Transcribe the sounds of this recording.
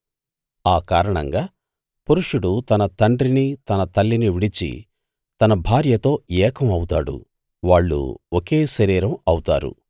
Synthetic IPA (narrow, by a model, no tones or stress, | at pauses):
aːkaːɾɐɳɐŋɡaː | puɾuʂuɽut̪ɐnɐt̪ɐɳɖɾinit̪ɐnɐt̪ɐlːiniʋiɽit͡ʃḭ | t̪ɐnɐbʱaːɾjɐt̪o̞ːɛːkʰɐmɐwut̪aːɽṵ | ʋaːɭːṵoke̞ːʃɐɾiːɾɐmɐwt̪a̰ːɾṵ